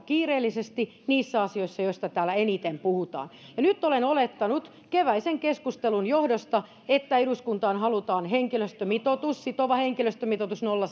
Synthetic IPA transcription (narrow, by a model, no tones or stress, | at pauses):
kiːreːlːisest̪i | niːsːæɑsioisːɑjoist̪ɑt̪æːlːæenit̪empuhut̪ɑ̰ːnjɑnyt̪ːolenolet̪ːɑnut̪ | keʋæiseŋkeskust̪elunjohdost̪ɑ | et̪ːæeɾuskunt̪ɑːnhɑlut̪ɑːnheŋkiløst̪ømit̪ot̪ussit̪oʋɑheŋkiløst̪ømit̪ot̪usnolːɑ